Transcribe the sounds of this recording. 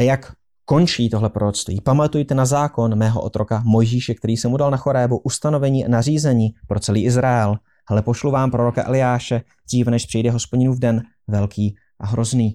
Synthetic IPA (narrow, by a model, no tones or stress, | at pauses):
ʔajak | ko̞nt͡ʃiːt̪oɦlɛpɾoɾot͡st̪vḭːpamat̪ujt̪ɛnazaːko̞nmɛːɦo̞̰ʔot̪ɾo̞kamo̞jʒiːʃɛk̚t̪ɛɾiːsɛmudalnaxo̞ɾɛːbuʔust̪ano̞vɛɲiːʔa̰nariːzɛɲiːpɾo̞t͡sɛliːʔɪzɾaɛl | hɛlɛpo̞ʃluvaːmpɾo̞ɾo̞kaʔɛ̰lɪjaːʃɛ | d̪r̝iːvnɛʃpr̥ɪjdɛɦo̞spo̞ɟɪnuːvdɛn | vɛlkʰiː | ʔaɦɾo̞zniː